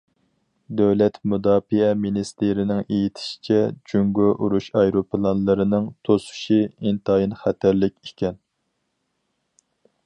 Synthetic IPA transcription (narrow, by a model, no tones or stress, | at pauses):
d̪øwlɛt̪mud̪ɑːfiɛminist̪eɾɪnɪŋejit̪ʰɪ̥ʃi̥t͡ʃʰɛd͡ʒyŋɡoʔuɾuʃɑjɾopʰlˠɑnlˠɨɾɨnɨŋt̪ʰosu̥ʃiint̪ʰɑjinχæt̪ʰæɾlɪkʲekʲʰɛn